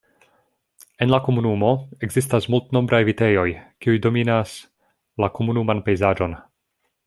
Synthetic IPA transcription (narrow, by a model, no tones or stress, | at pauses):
e̞nlako̞munumo̞e̞ɡzistasmultno̞mbɾʔajvite̞jo̞jkiujdo̞minas | lako̞munumanpe̞jzaʒo̞n